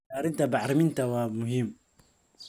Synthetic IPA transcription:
aɾint̪abaʕɾmint̪awamʊhimː

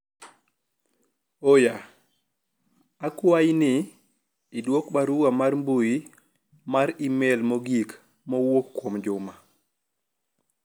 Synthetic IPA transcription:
oja | akuwajniː | dwokbaɾuɡamaɾmbuji | maɾimɛlmoɡik | mɔwokːomd͡ʒuma

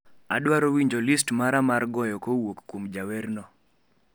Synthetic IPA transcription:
aɗwaɾowiɲd͡ʒɔlistmaɾamaɾɡɔjɔkowokːomd͡ʒawɛrnɔ

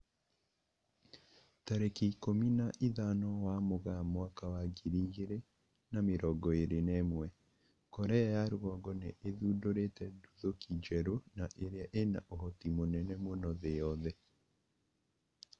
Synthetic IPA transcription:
taɾekiːkominaʔiðanɔwamoɣamoakawaɡiɾiɣeɾe | nameɾɔɡɔeɾenɛmwɛ | kɔɾɛjaɾowɔɣɔneʔːðudoɾetɛduðokid͡ʒɛɾonaʔeɾeaʔena̰ʔoɦɔtimonɛnɛmonɔðejɔðɛ

